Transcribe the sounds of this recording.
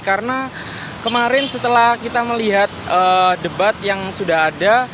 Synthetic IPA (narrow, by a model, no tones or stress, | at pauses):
kaɾəna | kəmaɾɪnsət̪əlahkit̪aməliɦat̪̚ədəbat̪̚jaŋsudaɦada